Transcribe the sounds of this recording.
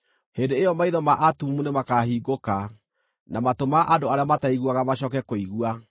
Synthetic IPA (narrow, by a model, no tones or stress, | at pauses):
hendeːjɔmaiðɔmaʔatumunemakahiːɡoka | namatomaʔandoaɾeamataiɣuaɣamaɕɔːkɛkoiɣua